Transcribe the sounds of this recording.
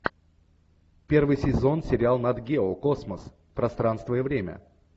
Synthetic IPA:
pʲe̞rvɨjsʲɪzo̞nsʲɪɾʲɪalˠnɐd̪ɡʲeokosməs | pɾɐst̪ɾanst̪vəjəvɾʲemʲə̰

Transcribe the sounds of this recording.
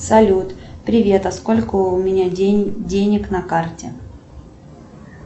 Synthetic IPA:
sɐlʲut̪pɾʲɪvʲe̞t̪ɐsko̞lʲkʊʊmʲɪnʲadʲenʲɪknɐkartʲɪ

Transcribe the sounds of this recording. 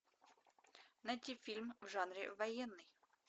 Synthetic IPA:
nɐt̪ʲifʲilʲmvʐɑnɾʲɪ̰ʋɐjɛnːɨj

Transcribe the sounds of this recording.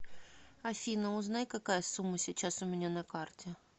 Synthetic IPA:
ɐfʲinəʊznajkɐkajəsumːəsʲɪt͡ɕːasʊmʲɪnʲanɐkartʲɪ

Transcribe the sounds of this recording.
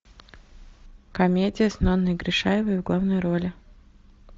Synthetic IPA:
kɐmʲedʲɪjəsnonːəɪɡɾʲɪʂajɪvəjvɡlˠavnɨjɾolʲɪ

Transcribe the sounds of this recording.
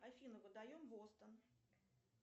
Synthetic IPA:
ɐfʲinʊkʊd̪ajomvost̪ən

